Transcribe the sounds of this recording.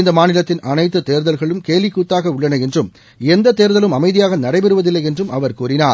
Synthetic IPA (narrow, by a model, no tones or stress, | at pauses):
nd̪ɐmaːnɪlɐt̪ːɪnʔɐnɐɪt̪ːɯt̪eːɾðɐlɣɐɭɯmkeːlʋɪkːuːt̪ːaːɣɐʊɭːɐnɐɛndrɯm | ɛnd̪ɐt̪ːeːɾðɐlɯmɐmɐɪðɪjaːɣɐnɐrɐɪpɛɾɯʋɐðɪlːɐjɛndrɯmʔɐʋɐɾkuːrɪnaːɾ